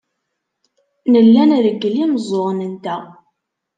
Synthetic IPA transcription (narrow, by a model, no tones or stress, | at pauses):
nəlːænðəɡːəliməzˤoʁnənt̪æ